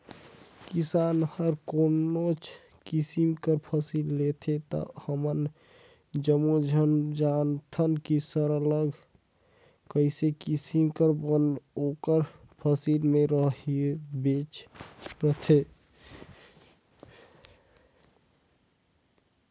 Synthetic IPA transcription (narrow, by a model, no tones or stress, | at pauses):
kisanhəɾkonot͡ʃʰ | kisimkəɾpʰəsilːet̪ʰet̪ɔ̰həmən | d͡ʒəmud͡ʒʱənd͡ʒant̪ʰənkisəɾələɡʱ | kəɪsekisimkəɾbənokəɾ | pʰəsilmeɾəɦibet͡ʃɾət̪ʰe